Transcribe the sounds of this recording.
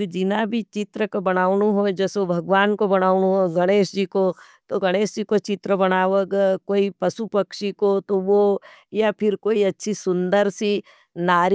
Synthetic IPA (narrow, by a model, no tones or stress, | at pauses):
ɾd͡ʒɪnabʱit͡ʃɪt̪ɾəkobɐɽ̃aːʊnuɦod͡ʒɛːsobʱɐɡʋaːnkobɐɽ̃aːʊnuɦoɡɐɽ̃eːʃd͡ʒiːko | t̪oɡɐɽ̃eːʃd͡ʒikot͡ʃɪt̪ɾəbɐnaːʋəɡkoːipɐʃupəkʃikot̪oʋo | japʰɪɾkoːiɐtːʃʰisʊ̃nd̪əɾsi | naːɾ